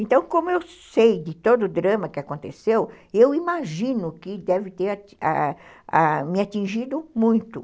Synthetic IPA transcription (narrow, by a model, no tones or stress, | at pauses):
ẽnt̪ɐ̃w̃kõmʊewsejd̪ɪt̪od̪ʊːd̪ɾɐ̃mɐkɪakõnt̪ḛsew | ewimaʒĩnʊkɪd̪ɛvɪt̪eɾaa̰ | amɪat̪ĩʒid̪ʊmũj̃t̪ʊ